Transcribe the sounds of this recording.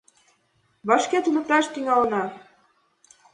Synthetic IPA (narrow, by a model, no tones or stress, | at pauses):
βɑʃket̪unɤ̆k̚t̪ɑʃt̪yŋɑlɤ̆nɑ